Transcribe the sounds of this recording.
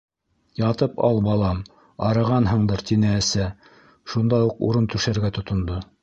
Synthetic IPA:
jɑt̪ɤpɑ̰lˠbɑlˠɑm | ɑɾɤ̆ʁɑnɦɤ̆ɴd̪ɤɾt̪inɘːsæ | ʃund̪ɑuqṵɾɤnt̪ʉʃæɾɡæt̪ŏt̪ŏnd̪o

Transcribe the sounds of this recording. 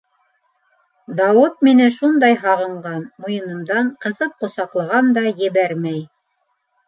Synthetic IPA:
d̪ɑwɤt̪̚minɘʃund̪ɑjɦɑʁɤ̆ɴɢɑnmujɤ̆nɤ̆md̪ɑɴqɤ̆θɤp̚qŏsɑqlˠɑ̆ʁɑnd̪ɑjɘ̆βæɾmæj

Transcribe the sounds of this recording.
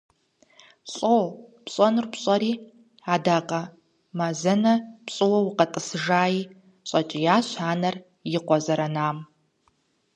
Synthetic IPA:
ɕʼoːpɕʼɔnɨrpɕʼɐɾiː | adaːqʼɐ | mazɐnɐpɕʼɨwɐwʊqɐtʼɨsɨʒaːjiː | ɕʼɐt͡ʃʼɪjaːɕħaːnɐr | jɪqʷɔzɐɾɐnaːm

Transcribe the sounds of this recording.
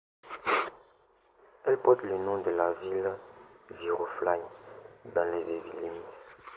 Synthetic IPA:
ɛlpɔt̪lenɔ̃d̪əlavil | viʁoflaɲbɛ̃lezevilːimis

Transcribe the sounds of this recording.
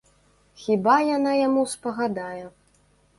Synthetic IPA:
xʲibajanajamuspɐɣad̪ajɛ

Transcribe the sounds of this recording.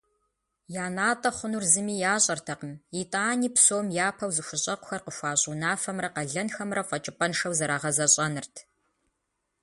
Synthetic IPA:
jaːnaːtʼɐχʷʊnurzɨmiːjaːɕʼɐrtʰɐqəmitʼaːniːpsoːmjaːpʰɐwzɨɕʷʊɕʼɐqʷʊ̥xɐrqəʃʷaːɕʼuːnaːfɐmrɐqɐɮɐnxɐmrɐfʷʼɐt͡ʃʼɪpʼɐnʂɐwzɐɾaːʁɐzɐɕʼɐnɨrtʰ

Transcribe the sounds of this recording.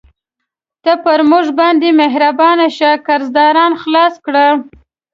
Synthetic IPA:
t̪apəɾmʊʐbɑnd̪emeɦɾabɑnaʃakaɾzd̪ɑɾɑnxlɑskɽə

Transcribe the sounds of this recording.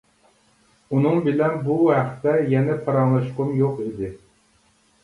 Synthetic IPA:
unɨŋbɪlɛnbuɦæχt̪ɛjɛnɛt̪ʰɑɾɑŋlˠɨʃqʊmjoqid̪ɪ

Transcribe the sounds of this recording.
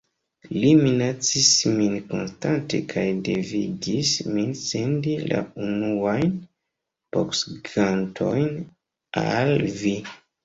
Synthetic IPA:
liminat͡sisminko̞̰nstante̞̰kʰajde̞vidisminsendila̰unuajn | poksɡantʰo̞jn | a̰lvi

